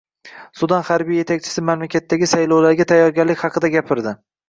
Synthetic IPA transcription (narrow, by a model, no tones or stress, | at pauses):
sʊd̪anχaɾbijːe̞t̪ʰakʲt͡ʃʰɪ̥sɪmamlakʲat̪ʰːaɡʲɪsajlˠɒwlaɾɡʲat̪ʰajːɒɾɡʲaɾlɪkʲhɑqʰɨd̪aɡʲapʰɪɾd̪ɪ